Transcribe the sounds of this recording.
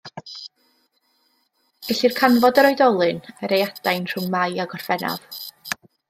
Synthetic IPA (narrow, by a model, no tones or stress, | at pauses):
ɛɬirkʰanvɔdəɾɔjdɔlˠɨnəɾejad̥ajnr̥ʊŋmajaɡɔr̥v̥ɛna̰v̥